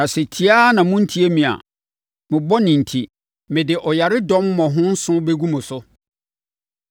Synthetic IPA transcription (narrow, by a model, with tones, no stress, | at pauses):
nã˨sɛ˨tʰi˦aː˦nã˨mʊ̃˦n̩˦tʰi˦e˦mĩ˨a̰˨ | mɪ̃˨bɔ˦nĩ˨n̩˨tʰi˨ | mɪ̃˨dɪ˨ʔɔ˨ja˨ɾɪ˦dɔ̃˦mːɔ̃˨ɦʊ̃˦n̩˦sʊ̃˦be˦ɡu˦mʊ̃˨sʊ˦